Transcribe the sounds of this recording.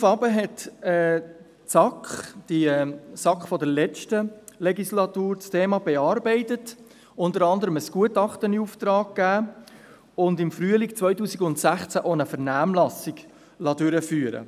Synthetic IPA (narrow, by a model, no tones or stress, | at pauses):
ʊfɑːbəɦɛtɛ | sɑkχd̥isɑkχfɔdɛɾlɛt͡ʃtəlɛɡislɑtuːɾt͡stʰeːmɑbɛɑɾbɛɪtət | ʊntəɾɑndəɾəməsɡ̥uətɑχtəniuft̪ɾɑːk̚kːæː | ʊndɪmfɾyəlikt͡sʋœʏtuːsiɡʊntsæχt͡sæʔonəfəʁnæːmlɑsiɡ | lɑdʏɾəfyːəɾə̰